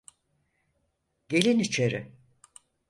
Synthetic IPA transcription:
ɟe̞lʲinit͡ʃʰe̞ɾɪ̰

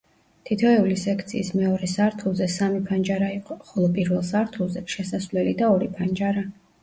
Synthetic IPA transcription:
t̪ʰit̪ʰɔɛulisɛkʰt̪sʰiːsmɛɔɾɛsaɾt̪ʰulˠzɛsamipʰand͡ʒaɾaiqʼɔχɔlˠɔpʼiɾvɛlˠsaɾt̪ʰulˠzɛʃɛsasvlɛlid̪aɔɾipʰand͡ʒaɾa

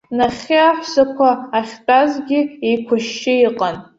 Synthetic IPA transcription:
naχʲɪaħsakʷʰaːχʲtʼazɡʲɪejkʷʰʊʃːɪiqʼan

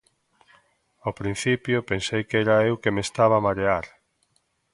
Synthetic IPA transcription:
awpɾĩn̟θipjopensejkɛɾaewkemest̪aβ̞aːmaɾeaɾ

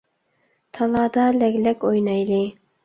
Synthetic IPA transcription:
t̪ʰɑlˠɑːd̪ɑlɛɡʲlɛkʲojnɑjlɪ

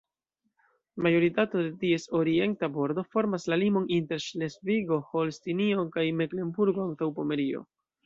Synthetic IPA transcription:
majo̞ɾitato̞de̞tie̞so̞ɾie̞ntabo̞ɾdo̞fo̞ɾmaslalimo̞ninte̞ɾʃle̞sviɡo̞ho̞lstinio̞kajme̞kle̞mbuɾɡo̞antawpo̞me̞ɾio̞̰

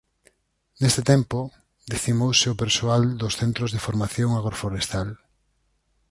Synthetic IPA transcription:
nest̪et̪ɛmpo | d̪eθimowsɪʊpeɾsoald̪ʊsθent̪ɾozðefoɾmaθjoŋaɣɾofoɾest̪al

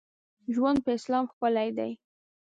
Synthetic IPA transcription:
ʒwand̪̚pəɪslɑmxpəlajd̪a̰j

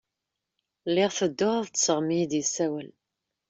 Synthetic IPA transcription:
lːɪʁθəd̪ːʊʁaðt̪ːsəʁmid̪jəsæwəl

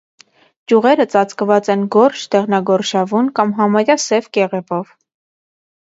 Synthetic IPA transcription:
t͡ʃjuʁɛɾət͡sɑt͡skəvɑt͡sɛnɡɔɾʃʰd̪ɛʁnɑɡɔɾʃɑvunkɑmɦɑmɑɾjɑsɛvkɛʁɛvɔv

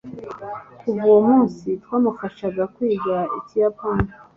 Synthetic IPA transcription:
ubuwomuːnsitwaːmufaʃaɡakwiːɡaicijapani

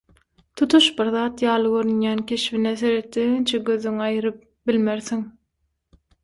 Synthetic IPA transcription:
t̪ʰut̪ʰuʃbiɾðɑːt̪jɑːlˠɯɡøɾynjæːnkʲʰe̞ʃvineθe̞ɾet̪ːient͡ʃʰeɡøðyŋɑjɯɾɯp̚ | bilmeɾθiŋ

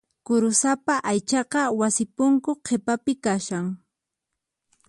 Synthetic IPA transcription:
kʊɾʊsapaʔajt͡ʃɑqɑwasɪpʊŋkoqʰepapɪkaʃaŋ

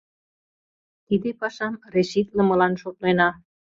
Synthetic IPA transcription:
t̪id̪epɑʃɑmreʃit̪ləmə̆lɑnʃot̪̚lenɑ

